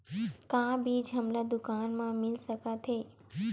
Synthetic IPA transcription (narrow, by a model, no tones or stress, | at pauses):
kãːbʱiːd͡ʒɦəmlad̪ʊkaːnmãmɪlsəkat̪ʰeː